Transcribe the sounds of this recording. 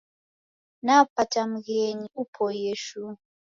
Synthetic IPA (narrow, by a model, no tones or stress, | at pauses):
napʰatʼamuɣeɲiupʰɔjeʃu